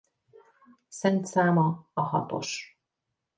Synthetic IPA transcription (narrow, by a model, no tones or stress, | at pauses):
sɛnt̪saːmɒɒhɒ̰t̪o̞̰ʃ